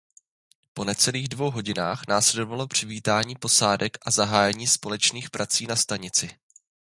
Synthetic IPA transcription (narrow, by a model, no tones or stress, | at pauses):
po̞nɛt͡sɛliːɣdvo̞wɦo̞ɟɪnaːxnaːslɛdovalo̞pr̝̥ɪviːt̪aːɲiːpo̞saːdɛkʔazaɦaːjɛɲiːspo̞lɛt͡ʃniːxpɾʔat͡siːnast̪aɲɪt͡sɪ